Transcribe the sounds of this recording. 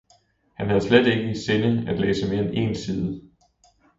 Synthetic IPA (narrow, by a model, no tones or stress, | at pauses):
hænɦæð̞ˠsled̥e̝ɡ̥əise̝nəæd̥lḛːsəme̝ɐene̝̰ːnsiːð̞ˠə